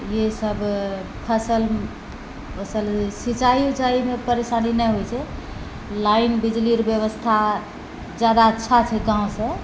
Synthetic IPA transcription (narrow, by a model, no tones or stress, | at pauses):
jesəbʱ | pʰəsəl | pʰəsəlsit͡ʃajut͡ʃaimepəɾesaninɛjɦojt͡ʃʰɛ | lainbid͡ʒliɾbjəβəst̪ʰa | d͡ʒjad̪aətːʃʰat͡ʃʰɛɡãw̃sə̃